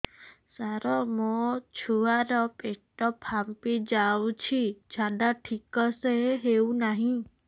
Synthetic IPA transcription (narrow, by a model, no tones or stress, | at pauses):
saɾɔmot͡ʃʰuaɾɔpeʈɔpʰampid͡ʒawt͡ʃʰid͡ʒʱadaʈʰikɔseɦewnaɦĩ